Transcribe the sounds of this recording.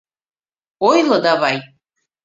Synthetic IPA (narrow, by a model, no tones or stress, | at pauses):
ojlad̪avaj